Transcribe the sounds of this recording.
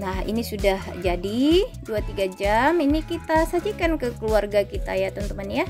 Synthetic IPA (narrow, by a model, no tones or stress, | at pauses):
nahḭnisudahd͡ʒadiduat̪iɡad͡ʒaminikit̪asad͡ʒikankəkəluarɡakit̪a̰jat̪ənt̪əmanja